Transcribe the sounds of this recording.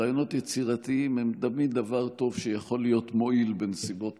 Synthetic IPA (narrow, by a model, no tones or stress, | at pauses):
ajono̞t̪jet͡siʁat̪iimhemd̪amid̪avaʁto̞vʃejaχo̞lːijo̞t̪mo̞ʔilbenesibo̞t